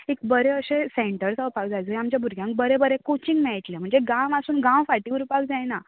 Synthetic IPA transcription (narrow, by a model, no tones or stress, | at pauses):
ek̚bəɾeəɕẽseɳʈəɾsəwpak̚d͡zajd͡zəjamt͡ɕjabʱuɾɡʱjãŋk̚bəɾebəɾẽkot͡ɕiŋɡmɛɭit̪lem̤əɳd͡zeɡãʋasuːnɡãw̃faʈiʋuɾupak̚d͡zajna